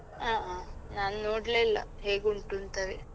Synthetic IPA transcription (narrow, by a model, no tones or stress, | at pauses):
aːaːnaːnunoːɽlelːɐ̰ɦeːɡuɳʈunt̪ɐʋe